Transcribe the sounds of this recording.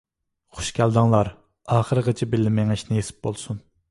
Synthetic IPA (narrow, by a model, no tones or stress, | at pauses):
χʊ̥ʃkʲæld̪ɑŋlˠɑɾ | ɑːχəɾəʁət͡ʃʰibɪlːɪmeŋiʃnɪjesɪ̥p̚bolˠsun